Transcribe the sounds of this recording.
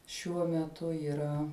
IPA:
ʃʲuɔ mʲɛˈtʊ iːˈrɐ

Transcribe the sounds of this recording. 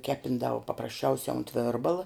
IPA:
ˈkʲæːpʲɪndɐʋʊ pɐprɐsʲˈt͡ʃʲɛʊsʲɛ ʊnt ˈʋʲeːrbɐlˠɐ

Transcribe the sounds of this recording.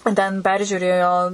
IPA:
tʲɛn ˈpʲɛrʲʒʲuːrʲeːjoː

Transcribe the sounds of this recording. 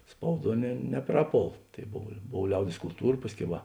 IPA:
ˈspɐʊˌduɔ nʲɛ nʲɛˈprɑːˌpoːlˠ tɐɪ ˈboːw ˈboːw ˈlʲɛʊdʲeːs kʊlˠˈtuːrɐ ˈpɑːsʲˌkʲɛʊ ˈʋɐ

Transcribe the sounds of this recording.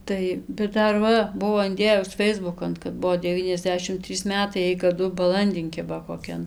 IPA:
ˈtɐɪ bʲɛt ˈdɐr ˈʋɐ ˈbʊʋoː ɪnʲˈdʲeːjʊs ˈfʲɛɪzbʊkɐn kɐt ˈbuɔ dʲɛˈʋʲiːnʲɛzʲˌdʲæːʃʲɪm ˈtʲrʲiːs ˈmʲæːtɐɪ ˈjɛɪ kɐˈdʊ bɐˈlˠɐnʲdʲɪn ˈkʲɪbɐ koːˈkʲɛn

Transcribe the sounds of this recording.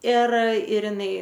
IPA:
ɪr ɪr ɪˈnɐɪ

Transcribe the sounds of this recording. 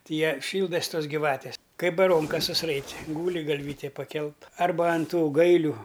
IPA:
tʲɪ ˈjɛ ˈʃʲiːlˠdɐs ˈtoːsʲ ɡʲiːˈʋɑːtʲeːs ˈkɐɪ bɐˈroːŋkɐs sʊsˈrɐɪtʲɪ ˈɡuːlʲɪ ɡɐlʲˈʋʲiːtʲeː pɐˈkʲɛlˠt ˈɐrbɐ ɐn ˈtuː ˈɡɐɪlʲʊ

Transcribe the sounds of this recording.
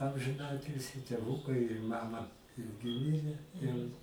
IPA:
ɐmʲʒʲɪˈnɑːtʲɪlʲsʲiː tʲeːˈʋʊkɐɪ ɪr ˈmɑːmɐ ˈɪrʲɡʲɪ ˈmʲɪrʲɛ ˈjɛʊ

